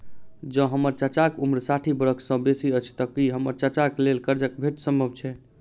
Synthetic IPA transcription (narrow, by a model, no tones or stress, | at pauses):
d͡ʒə̃ɦəməɾt͡ʃət͡ʃakumɾsaʈʰibəɾəkʰsə̃besiət͡ʃʰt̪əkiɦəməɾt͡ʃət͡ʃaklelkəɾd͡ʒəkbʱeʈsəmbʱəbt͡ʃʰɛ